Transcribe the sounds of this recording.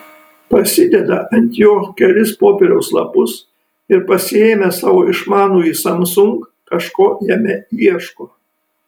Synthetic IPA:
pɐsʲɪd̪ʲɛd̪ɐɐnʲt̪ʲjoːkʲɛlʲɪspoːpʲɛɾʲɛʊslˠɐ̰pʊs | ɪɾpɐsʲɪeːmʲɛsɑːʋoːɪʃmɑːnuːisɐmsʊŋk | kɐʃkoːjɛmʲɛiɛʃkoː

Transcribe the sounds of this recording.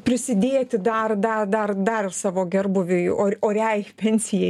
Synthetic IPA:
pʲɾʲɪsʲɪd̪ʲeːt̪ʲɪd̪ɐrd̪ɐd̪ɐrd̪ɐɾɪsɑːʋoːɡʲɛrbʊʋʲɪjoːoːɾʲɛjpʲɛnʲsʲɪjɛ

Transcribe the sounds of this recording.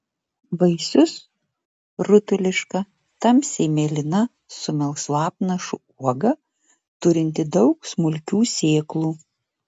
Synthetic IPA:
bɐɪsʲʊs | ɾʊt̪ʊlʲɪʃkɐ | t̪ɐmsʲeːmʲeːlʲɪnɐ | sʊmʲɛlˠslˠɑːp̚nɐʃʊ | uɔɡɐ | t̪ʊɾʲɪnʲt̪ʲɪd̪ɒʊksmʊlʲkʲuːsʲeːklˠuː

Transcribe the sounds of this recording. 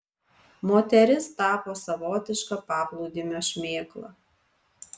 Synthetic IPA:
moːt̪ʲɛɾʲɪst̪ɑːpoːsɐʋoːt̪ʲɪʃkɐpɑːplˠɔʊd̪ʲimʲoːʃʲmʲeːklˠɐ̰

